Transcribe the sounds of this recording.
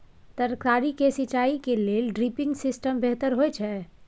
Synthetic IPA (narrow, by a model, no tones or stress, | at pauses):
t̪əɾkɾaɾikesɪt͡ʃaːikeleːlɖɾipɪ̃ŋɡsɪsʈəmbeɦt̪əɾɦojt͡ʃʰɛ